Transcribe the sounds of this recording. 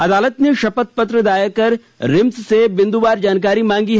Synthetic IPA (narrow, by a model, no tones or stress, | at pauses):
ɐd̪aːlət̪neʃɐpət̪̚pɐt̪ɾəd̪aːjakɐɾ | ɾɪmssebɪ̃nd̪ubaːɾd͡ʒaːnk̬aːɾimãːŋɡiɦɛ